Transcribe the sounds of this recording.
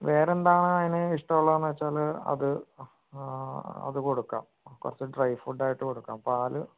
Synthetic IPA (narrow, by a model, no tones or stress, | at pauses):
ʋe̞ːɾe̞nd̪aːɳɨɐðinɨiʂʈɐmuɭːɐðenːʋɐt͡ɕːaːlɐ̰ðɨ | ɐ̰ðɨko̞ɽukːa̰ːm | kṵrɐt͡ɕːɨɖrɐjfuɖaːjiʈːɨko̞ɽukːaːmpaːlɨ